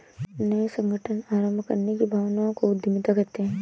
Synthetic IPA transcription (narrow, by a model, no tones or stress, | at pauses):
nəjsə̃ŋɡʱəʈʰənaːɾəmbʱəkə̰ɾnekibʱaːʋnaõkoʊɪmɪt̪akɐɾt̪eɦɛ̃ː